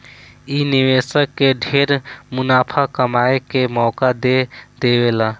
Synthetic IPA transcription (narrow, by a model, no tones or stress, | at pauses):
iniʋesəkːeɖʱeɾmunaːpʰakəmaekemɔːkad̪ed̪ebela